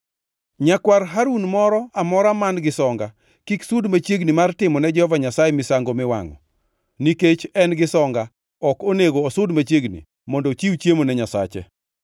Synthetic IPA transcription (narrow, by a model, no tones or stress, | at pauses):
ɲakwarɦaɾunmɔɾɔamɔɾamanɡɪsɔŋɡa | kiksʊdmat͡ʃjeɡnimartɪmɔnɛd͡ʒɛhɔvaɲasajɛmɪsaŋɡomɪwa̰ŋɔ̰ | niket͡ʃɛnɡɪsɔŋɡa | ɔkoneɡoːsʊdmat͡ʃjeɡnḭ | mɔndɔt͡ʃiwt͡ʃjemonɛɲasa̰t͡ʃɛ̰